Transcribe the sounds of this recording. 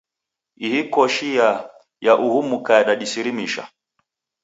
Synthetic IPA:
ihikɔʃija | jaʔuhumukajaɗaɗisiɾimiʃa̰

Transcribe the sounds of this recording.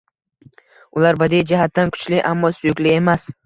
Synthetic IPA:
ʊlaɾbad̪id͡ʒaɦat̪ːankʰʊ̥t͡ʃlɪʔamːɒsʊjʊkʲlɪe̞mas

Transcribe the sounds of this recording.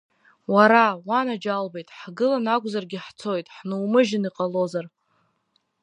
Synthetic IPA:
waɾawanad͡ʒalbejtʼħɡɨlanakʷʼzarɡʲɪħt͡sʰo̞jtʼħnɨwmɨʒɪniqʼalo̞zar

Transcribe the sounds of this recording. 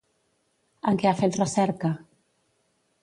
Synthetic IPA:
aŋkeafet̪rəsɛɾka

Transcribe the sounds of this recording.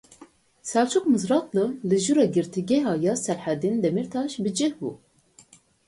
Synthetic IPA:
sælt͡ʃʰukmɨzɾɑt̪lɨlɨʒuɾɑɡɨɾt̪ʰiɡɛɦɑːjɑsɛɾħæd̪ind̪ɛmiɾt̪ʰɑʃbɨd͡ʒɨhbṵ

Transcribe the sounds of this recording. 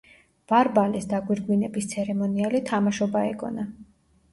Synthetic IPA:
b̥aɾbalisd̪aɡwiɾɡwinɛbist̪sʰɛɾɛmɔnialit̪ʰamaʃɔbaɛ̰ɡʼɔ̰na

